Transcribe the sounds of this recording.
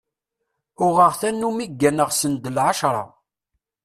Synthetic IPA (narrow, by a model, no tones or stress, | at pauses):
ʊʁəʁθænːumiɡːænəʁsənd̪əlʕaʃɾˤɑ̰